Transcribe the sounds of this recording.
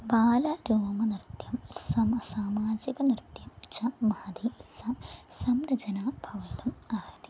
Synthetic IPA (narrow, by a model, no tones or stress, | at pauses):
baːlɐɾoːmɐnirt̪jɐmsɐmɐsaːmaːd͡ʑiɡɐnirt̪jɐmt͡ɕɐmɐɐd̪isɐsɐmɾɐd͡ʑɐnaːbʱɐʋɐid̪ɐmɐraːt̪i